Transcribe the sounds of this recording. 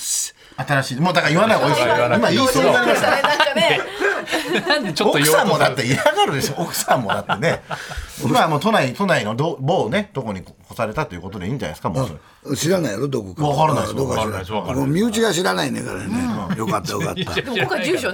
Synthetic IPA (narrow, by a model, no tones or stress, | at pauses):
at̪aɾaɕiːmoːd̪akaiβanaioisimajonaɾimasaae | t͡ɕookɯsãmːo̞d̪at̪ːeiɾaɡaɾɯ̟d̪eɕookɯ̥sãmːo̞d̪at̪ːe̞ne | imamoːt̪o̞nait̪o̞naino̞d̪oboːne̞d̪̥o̞ko̞ɲ̟ikʰosaɾe̞t̪at̪ːo̞jɯ̟ko̞t̪o̞d̪e̞ĩːɲd͡ʑana̰sɨ̥kamosoɾe | ɕiɾanaiad̪od̪okokakaɾanaiokamomʲɨːt͡ɕiɡaɕiɾanainḛka̰ɾa̰nẽjokat̪ːajoka̰t̪ːakad͡ʑɨːɕo